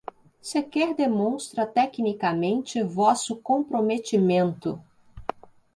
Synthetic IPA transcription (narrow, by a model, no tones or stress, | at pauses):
sekɛɾd̪emõw̃st̪ɾɐt̪ɛknikɐmẽnt͡ʃɪvɔsʊkõmpɾomet͡ʃimẽnt̪ʊ̰